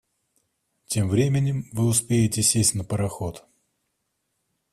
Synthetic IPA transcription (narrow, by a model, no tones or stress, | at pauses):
tʲe̞mvɾʲemʲɪnʲɪmvɨʊspʲejɪtʲɪsʲesʲtʲnəpəɾɐxot̪